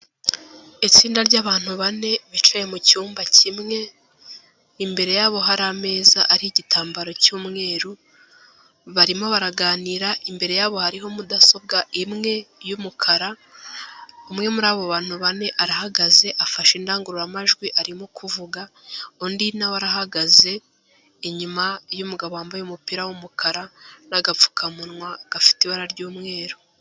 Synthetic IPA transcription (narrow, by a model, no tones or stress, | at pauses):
it͡siːndaɾɟaːβaːn̥huβane̞βit͡ʃaje̞mucuːmbacʰimŋe̞ | imbe̞ɾe̞jaːβo̞ɦaɾame̞ːzaʔːɾiiɟitaːmbaɾo̞cuːmŋe̞ːɾu | βaɾimo̞βaɾaɡaːniɾaʔimbe̞ɾe̞jaːβo̞haɾiɦo̞mudaso̞b̚ɡaimŋe̞jumukʰaɾa | umŋe̞muɾaːβo̞βaːn̥huβane̞ʔaɾahaɡaze̞ʔafaʃindaːŋɡuɾuɾamaʒɡwiʔaɾimokʰuvuɡa | ondinawaɾaɦaɡaze̞ː | ɲumajumuɡaβoaːmbajumupiɾawumukʰaɾanaɡafu̥kʰamunŋwaɡ̥afi̥tiβaɾaɾɟuːmŋe̞ːɾu